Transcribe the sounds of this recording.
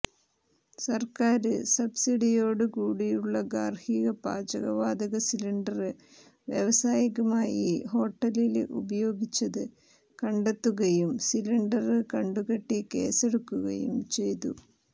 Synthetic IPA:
sɐrkaːɾɨsɐbsiɽijo̞ːɽɨkuːɽijuɭːɐɡaːrhiːɣɐpa̰ːd͡ʑɐɣɐ̰ʋaːd̪ɐɣɐsiliɳɖɐrɨ | ʋjḛʋɐsaːjiɣɐmaːjiho̞ːʈːɐlilʔubɐjo̞ːɡit͡ɕːɐðɨ | kɐɳɖe̞t̪ːuɣɐjumsiliɳɖɐrɨkɐɳɖuɣɐʈːike̞̰ːseɽukːuɣɐ̰jṵmt͡ɕe̞jt̪ṵ

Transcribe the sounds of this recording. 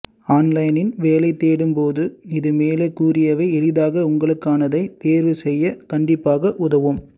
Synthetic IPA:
aːnlɐɪnɪnʋeːlɐɪt̪ːeːɽɯmpoːðɯɪðɯmeːleːkuːrɪjɐʋɐɪɛɻɪðaːɣɐʊŋɡɐɭɯkːaːnɐðɐɪt̪eːɾʋɯsɛjːɐkɐɳɖɪpːaːɣɐʔʊðɐʋɯm

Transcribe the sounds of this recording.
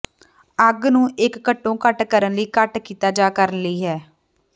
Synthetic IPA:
əɡnũːʔɪkːəʈːõːkəʈkəɾənləiːkəʈkiːt̪aːd͡ʒaːkəɾənləiːɦɛː

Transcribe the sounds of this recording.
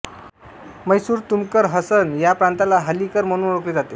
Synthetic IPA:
məjsuːɾt̪umkəɾɦəsənjapɾant̪alaɦəlikəɾməñuɾokɾit̪d͡zat̪e

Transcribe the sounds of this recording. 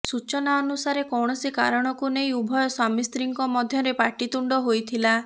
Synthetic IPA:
sut͡ʃɔnaɔnusaɾekɔwɽ̃ɔsika̰ɾɔɽ̃ɔkunejubʱɔjɔswamist̪ɾiŋkɔmɔd̪ʱjɔɾepaʈit̪uɳɖɔɦojt̪ʰila

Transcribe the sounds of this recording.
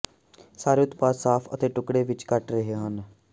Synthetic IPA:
saːɾeʊt̪paːsaːpʰə̰t̪eːʈʊkɽeːʋɪt͡ʃkəʈɾəɦeɦən

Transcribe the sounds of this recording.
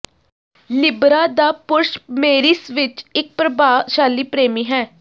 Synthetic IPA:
lɪbɾaːd̪aːpʊɾʃmeːɾiːsʋɪt͡ʃɪk̚pɾəbaːʃaːliːpɾeːmiːɦɛː

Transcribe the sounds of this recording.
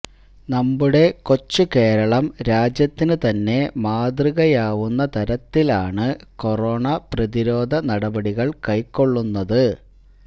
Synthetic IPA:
nɐmːuɽe̞ko̞t͡ɕːuke̞ːɾɐɭɐmɾaːd͡ʑjɐt̪ːinɨt̪ɐnːe̞maːd̪rɨɣɐjaːʋunːɐt̪ɐɾɐt̪ːilaːɳɨko̞roːɳɐprɐðiɾo̞ːd̪ʱɐnɐɽɐbɐɽiɣɐɭkɐjkːo̞ɭːunːɐðɨ

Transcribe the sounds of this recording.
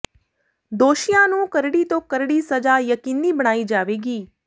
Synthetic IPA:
d̪oːʃijãːnũːkəɾɽiːt̪õːkəɾɽiːsəd͡ʒaːjəkiːniːbəɽ̃aːiːd͡ʒaːʋeːɡiː

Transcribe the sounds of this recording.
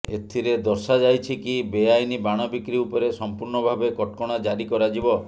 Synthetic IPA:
ḛt̪ʰiɾed̪ɔɾsad͡ʒajt͡ʃʰikibeajnibaɽ̃ɔbikɾiupɔɾesɔmpuɾɳɔbʱabekɔʈ̚kɔɽ̃ad͡ʒaɾikɔɾad͡ʒibɔ

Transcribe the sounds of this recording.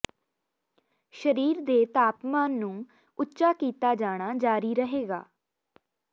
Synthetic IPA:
ʃəɾiːɾd̪eːt̪aːpmaːnːũː | ʊtːʃaːkiːt̪aːd͡ʒaːɽ̃aːd͡ʒaːɾiːɾəɦeːɡa̰ː

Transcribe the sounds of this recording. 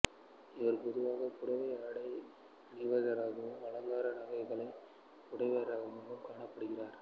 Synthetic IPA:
ɪʋɐɾpɔðɯʋaːɣɐkʊɽɐʋɐɪaɽɐɪ | nɪʋɐðɐɾaːðɯʋɐɭɐŋɡaːɾɐnɐɣɐɪɣɐɭɐɪ | ʊɽɐɪʋɐɾaːɣɐmɐnɯmkaːɳɐpːɐɽɯɣɪraːɾ

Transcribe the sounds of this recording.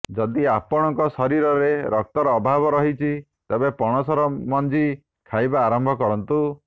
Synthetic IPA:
d͡ʒɔd̪iapɔɽ̃ɔŋkɔsɔɾiɾɔɾeɾɔk̚t̪ɔɾɔːbʱabɔɾɔɦit͡ʃʰi | t̪ebepɔɽ̃ɔsɔɾɔmɔnd͡ʒi | kʰajbaːɾɔmbʱɔkɔɾɔnt̪u

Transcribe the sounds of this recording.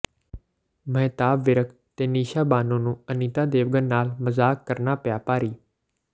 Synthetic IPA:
mɛ̃ːt̪aːbːɪɾək | t̪eːniːʃaːbaːnõːnũːəniːt̪aːd̪eːʋɡənːaːlməzaːkːəɾnaːpjaːpaːɾiː

